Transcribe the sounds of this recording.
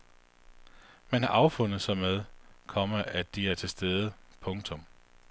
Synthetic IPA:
mænhɑ̈ʔɑ̈ʊfɔ̽nð̩ˠsɑ̈ɪmeð̞ˠkʰɒ̽məʔæd̥iæɐt͡sʰe̝lsd̥eːðˠəpʰɔ̽ŋt͡sʰɔ̽m

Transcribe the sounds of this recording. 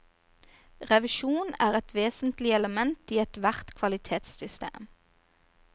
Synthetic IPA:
ʁɛʋɪʃuːnæːʁɛt̪ʰʋeːsnt̪lɪɛləmɛnt̪iːɛt̪ʋæʁt̪kʰʋɑlɪt̪ʰeːt̪sʏst̪ḛːm

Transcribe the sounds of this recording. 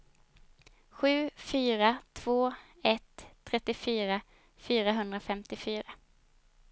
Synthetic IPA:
ɧʉ̟ːfyːɾat̪ʰv̥oː | ɛt̪ʰːɾɛt̪ːɪfyːɾa | fyːɾaɦɵnd̪ɾafɛmt̪ɪfyːɾa

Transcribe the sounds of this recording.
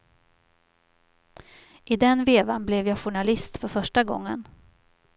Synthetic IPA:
ʔɪd̪ɛnveːvanblɛvjɑːɧʊɳalɪst̪fœɾfœʂʈaɡɔ̰ŋːə̰n

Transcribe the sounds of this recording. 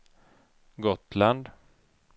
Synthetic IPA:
ɡɔt̪land̪

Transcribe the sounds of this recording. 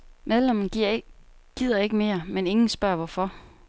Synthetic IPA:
með̞ˠlem̰ɐn | ɡ̥ið̰ˠɐe̝ɡ̥əme̝ːɐmene̝ŋn̩sb̥ɶɐ̰ʋɒfɒ̽

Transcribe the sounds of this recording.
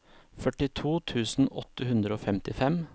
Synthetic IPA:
fœʈɪt̪ʰuːt̪ʰʉːsn̩ɔ̰t̪əhʉnd̪ɾəoːfɛmt̪ɪfɛm

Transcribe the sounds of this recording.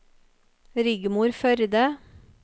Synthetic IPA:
ɾʏɡmuːɾfœɾd̪ə

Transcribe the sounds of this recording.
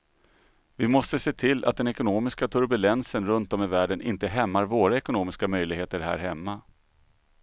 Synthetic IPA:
vɪmɔst̪əseːt̪ʰɪlːʔa̰t̪̚d̪ɛnɛkʊnoːmɪskat̪ʰɵɾbɵlɛnsənɾɵnt̪ɔmɪvæːɖənʔɪ̰nt̪əɦɛmːaɾvoːɾaɛkʊnoːmɪskamœjlɪɡheːt̪əɾɦæ̰ːɾɦɛmːa

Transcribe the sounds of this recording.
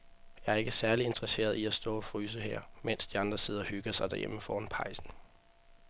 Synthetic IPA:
jɑ̈æɐe̝ɡ̥əsæɐlie̝nd̥ʁɐse̝̰ːɐðˠiæsd̥ɔ̰ːɒ̽fʁyːs̬əhḛɐ̰men̰sd̥iɑ̈nd̥ʁɐse̝ð̞̰ˠɐhyɡ̥ɐsɑ̈ɪd̥æɐjeməfɒːnpʰɑ̈ɪsn̩

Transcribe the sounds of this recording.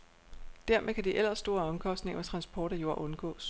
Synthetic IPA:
d̥æɐmʔekʰæd̥iʔel̰ɐsːd̥o̝ːɐɒ̽mkʰɒ̽sd̥ne̝ŋɐʋæt͡sʰʁɑ̈nsb̥ʰɒːɾ̥æjo̝ɐ̰ʔɔ̽nɡ̥ɔ̰ːs

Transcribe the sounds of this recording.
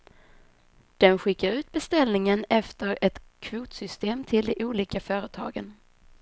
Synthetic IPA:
d̪̥ɛnɧɪkːaɾʉ̟ːt̪̚bɛst̪ɛlnɪŋənɛft̪əɾɛt̪kʰvuːt̪sʏst̪eːmt̪ʰɪld̪ɛʔuːliːkafœːɾət̪ʰɑ̰ːɡən

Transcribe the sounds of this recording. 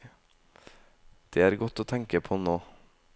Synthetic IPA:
d̪̥eːæːɾɡɔt̪oːt̪ʰɛŋkəpʰoːnoː

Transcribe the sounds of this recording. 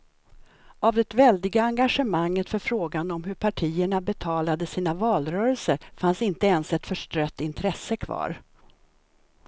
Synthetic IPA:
avd̪ɛt̪vɛld̪ɪɡaːŋɡaʂəmaŋːət̪fœɾfɾoːɡanɔmɦɵɾpʰaʈʰiːəɳabɛt̪ʰɑːlad̪əsiːnavɑːlɾœːɾəlsəɾfansɪnt̪əɛnsɛt̪fœʂʈɾœt̪ːɪnt̪ʰɾɛsːəkʰvɑ̰ːɾ

